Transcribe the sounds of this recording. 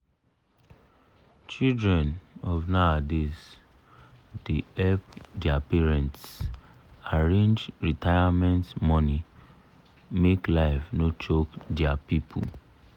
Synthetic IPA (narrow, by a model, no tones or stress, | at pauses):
t͡ʃildɹɛ̃nɔvnaades | deɛpdɛapɛɹɛ̃nts | aɹẽnd͡ʒɹitaɪamɛ̃ntmɔni | meklaɪfnot͡ʃokdɛapipʰṵ